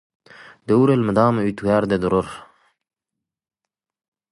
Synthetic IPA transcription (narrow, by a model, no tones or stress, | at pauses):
d̪euɾelməd̪ɑːmut̪uɡaːɾd̪ed̪uɾoɾ